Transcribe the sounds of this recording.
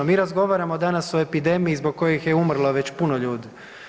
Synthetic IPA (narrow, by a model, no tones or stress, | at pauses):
omiːɾazɡo̞ʋaːɾamod̪anasoe̞pid̪e̞miizbo̞ɡ̚kojixjeumr̩lˠoʋe̞t͡ɕpunoʎuːd̪i